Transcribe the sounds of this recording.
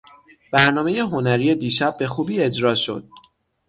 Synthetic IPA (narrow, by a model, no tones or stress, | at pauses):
b̥æɾnɒːmeje̞ɦo̞næɾiːje̞d̪iːʃæb̚ːe̞xuːbiːe̞d͡ʒɾɒːʃo̞̰d̪̥̚